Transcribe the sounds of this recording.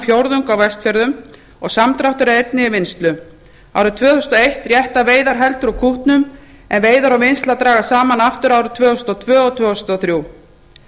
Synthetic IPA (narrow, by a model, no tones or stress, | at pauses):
fjowɾðʏŋkawvɛst̪fjɛɾðʏm | ɔɣsamt̪ɾawht̪ʏɾaejt̪̚nɪːvɪnst̪lʏ | a̰wɾʏt̪ʰvœːθʏst̪ɔejht̪rjɛht̪aveːjðaɾɦɛlt̪ʏɾawkʰuht̪nʏm | ɛnveːjðaɾawvɪnst̪lat̪ɾaːɣasaːmanaft̪ʏɾaːwɾʏt̪ʰvœːθʏst̪ɔt̪ʰvœːɔt̪ʰvœːʏst̪ɔθɾjuw